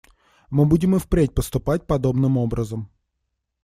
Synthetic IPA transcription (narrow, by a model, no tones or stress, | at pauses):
mɨbudʲɪmɨfpɾʲet̚ʲpəst̪ʊpat̚ʲpɐd̪o̞bnɨmobɾəzəm